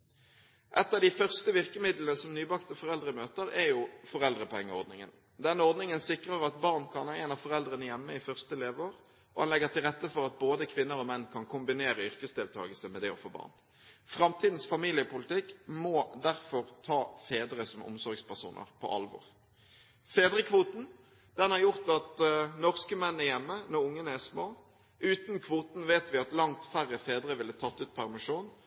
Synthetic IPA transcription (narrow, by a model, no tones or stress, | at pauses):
ʔɛt̪ːəd̪ɪfœʁst̪əʋɪʁkəmɪd̪lənəsɔmnyːbɑkt̪əfɔʁɛld̪ʁəmøːt̪əʁɛjufɔʁɛld̪ʁəpɔɛŋːəɔʁd̪nɪŋə̰n | d̪ɛnːəɔʁd̪nɪŋənsɪkʁəʁɑt̪bɑʁnkʰɑnæɛnɑfɔʁɛld̪ʁənəjɛmːəɪfœʁst̪əɛleːʋəoːʁ | ɔhɑnlɛɡəʁt̪ʰɪlʁɛt̪ːəfɔʁɑt̪̚boːd̪əkʰʋɪnːəʁɔmɛnːkʰɑnkʰʊmbɪneːʁəʏʁkəsd̪eːlt̪ʰɑ̰ːɡəlsəmɛd̪ɛɔfoːbɑ̰ːʁn | fʁɑmt̪ʰiːd̪n̩sfɑmiːlɪəpʊlɪt̪ɪkːmɔd̪æʁfɔʁt̪ʰɑːfeːd̪ʁəsɔmʊ̰msɔɾɡspæʁʂṵːnʔə̰ʁpʰɔ̰ʔɑ̰lʋɔ̰ʁ | feːd̪ʁəkʰʋuːt̪n̩ | d̪̥ɛnhɑʁjʊʁt̪ɑt̪nɔʁskəmɛnːæʁjɛmːənɔʁʊŋːənəæsmoː | ʔʉːt̪nkʰʋuːt̪n̩ʋeːt̪ʋɪɑt̪lɑŋt̪fæʁəfeːd̪ʁəʋɪlːət̪ʰɑt̪ːʉːt̪̚pʰæʁmɪʂuːn